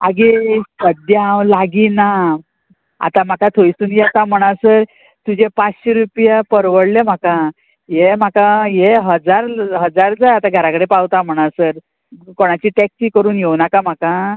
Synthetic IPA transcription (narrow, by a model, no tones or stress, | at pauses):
a̰ɡisəd̪jaãwlaɡina | a̰t̪ãm̤akat̪ʰojsuːnjɛt̪am̤əɽ̃aɾsəɾ | t̪ud͡ʑepat͡sɕeɾupjapəɾʋəɽlem̤akã | jem̤akajeɦəd͡zaɾɦəd͡zaɾd͡zajat̪ãɡʱəɾãkəɽepawt̪am̤əɽ̃aɾsəɾ | koɽ̃at͡ɕiːʈɛksiːkəɾuːnjewnakam̤akã